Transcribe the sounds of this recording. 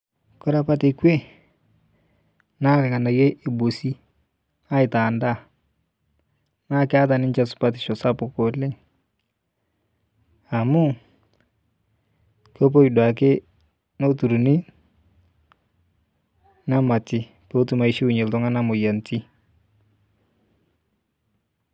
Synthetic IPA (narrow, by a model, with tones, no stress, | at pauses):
kʊ˦ɾa˦pa˦tɪ˨kwe˦ | na˦kɪ˨ka˨na˨je˦ʔɪ˨bo˨si˦ | a˦ɪ˨ta˨nda˦˨ | naː˦kɪ˦a˦t̬a˨nɪ˦nt͡ʃɛ˨sʊ̥˨pa˦tɪ̥˨ʃɔ˨sa˦pʊ˨ko˨lɪ˦ŋ | a˨mʊ˦ | ko˦p̬o˦i˨dwa˨k̬ɪ˦ | no˦tu˨ɾu˨ni˦ | na˦ma˨tɪ˦ | po˦tu˦ma˨i˨ʃi˦u˨ɲe˨ltʊ˦ŋa˦na˦mʊ˨ja˨nti˦